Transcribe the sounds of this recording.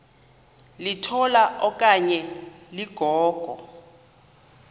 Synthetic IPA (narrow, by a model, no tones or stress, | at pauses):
litʰɔlaʔɔkʼaɲɛliɡ̥ʱɔːɡ̥ʱɔ